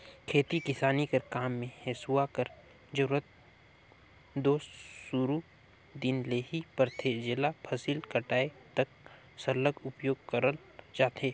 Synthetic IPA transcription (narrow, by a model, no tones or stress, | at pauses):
kʰeːt̪ikɪsaːnikɐɾkaːmːẽheːsuakəɾ | d͡ʒɐɾuːɾət̪̚ | d̪oːst̪suɾu | d̪ɪnleːɦipɐɾt̪ʰed͡ʒɪlapʰɐsiːlkɐʈaːet̪ɐk̚ | sɐɾləɡʊpjoːɡ̚kəɾəl | d͡ʒaːt̪ɦeː